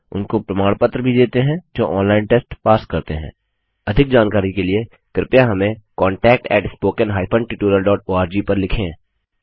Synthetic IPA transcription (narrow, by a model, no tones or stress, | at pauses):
ʊ̰nkopɾɐmaːɽ̃pət̪ɾəbʱid̪eːt̪eɦɛ̃d͡ʒoːʔɔ̃ːnlaːɪnʈeːsʈpaːskɐɾt̪eɦɛ̰̃ː | ɐd̪ʱɪk̚d͡ʒaːnkaːɾikelie | kɾɪpjaɦɐmẽkɔːɳʈɛːk̚ʈɛ̰ːʈspoːkənɦaːɪpʰə̃ɳʈɪʈuːɾəlɖɔːʈoːaːɾd͡ʒiːpɐɾlɪkʰẽ